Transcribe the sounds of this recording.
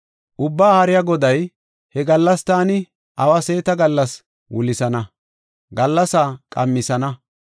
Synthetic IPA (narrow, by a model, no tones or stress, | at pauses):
ʔʊbːaːhɐɾɪjaɡɔd̪ɐj | hɛɡɐlːɐst̪aːnɪ | ʔɐwɐse̞ːt̪ɐɡɐlːɐs | wʊlɪsɐnɐ | ɡɐlːɐsaːkʼɐ̰mːɪsɐnɐ